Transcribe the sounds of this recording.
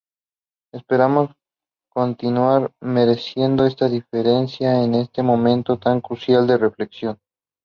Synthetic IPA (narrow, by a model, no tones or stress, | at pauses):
e̞spe̞ɾamo̞s | ko̞nt̪inwaɾme̞ɾe̞sje̞nd̪o̞e̞st̪aðife̞ɾe̞nsjaene̞st̪e̞mõ̞mẽ̞nt̪o̞t̪aŋkɾusjald̪ere̞fle̞ksjo̞n